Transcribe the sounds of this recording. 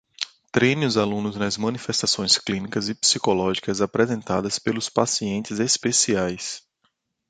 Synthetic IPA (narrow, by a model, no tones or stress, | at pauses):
t̪ɾeniʊzalũnʊznɐzmɐ̃nifɛst̪asõj̃sklĩnikɐzɪpi̥sikolɔʒikɐzapɾɛzẽnt̪a̰d̪ɐspelʊspasiẽnt͡ʃɪzespesiajs